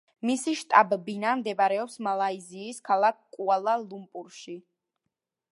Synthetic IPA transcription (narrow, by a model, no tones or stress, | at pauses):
misiʃt̪ʼabbinamd̪ɛbaɾɛɔpsmalˠaiziːskʰalˠak̚ʰkʼualˠalˠumpʼuɾʃi